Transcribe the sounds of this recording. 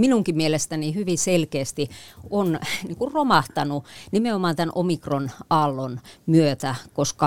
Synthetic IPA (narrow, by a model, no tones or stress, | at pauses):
minuŋkimielest̪ænihyʋiselkeːst̪ionniŋkurromɑht̪ɑnunimeomɑnt̪ænʔo̰mikronɑlːonmyøt̪ækoskɑ